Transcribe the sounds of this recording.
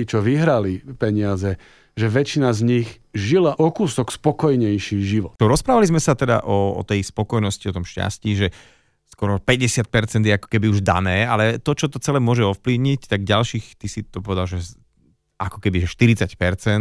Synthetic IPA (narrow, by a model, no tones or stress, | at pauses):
it͡ʃɔʋiɦɾalipɛɲɪazɛ | ʒɛʋɛt͡ʃinazɲiɣ | ʒilaʔɔkusɔkspɔkɔjɲɛjʃiːʒiʋɔt̪ɾɔspɾaːʋalizmɛsat̪ɛd̪a̰ʔɔɔ̰t̪ɛjspɔkɔjnɔsciɔt̪ɔmʃca̰sciːʒɛ | skɔɾɔpɛɟɛsɪat̪̚pɛɾt͡sɛnd̪jɛakɔ̥kɛbiuʒd̪a̰nɛːalɛt̪ɔt͡ʃɔt̪ɔt͡sɛlɛːmʊɔʒɛɔfpliʊɲict̪aɡɟalʃiːxt̪isit̪ɔpɔʋɛd̪alʒɛ | akɔ̥kɛbiʒɛʃt̪iɾit͡sacpɛɾt͡sɛn